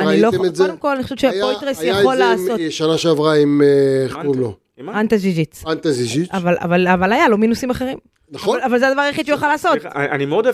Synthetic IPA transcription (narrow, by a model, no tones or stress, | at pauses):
anniloemezeod̪emko̞laniχoʃɛvʃejojt̪ʁesjaχolːaːso̞ʃanaʃeavʁaim | ulo | ant̪azizit͡sant̪aziziavala̰valavalajalo̞minusimaχeʁim | naoalavalzead̪avaʁeχid̪ʃeujaχalaːso̞t̪animeod̪